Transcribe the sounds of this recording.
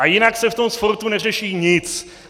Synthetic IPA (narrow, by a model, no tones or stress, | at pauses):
ajɪnaksɛft̪o̞msfoɾt̪unɛr̝ɛʃiːɲɪt͡s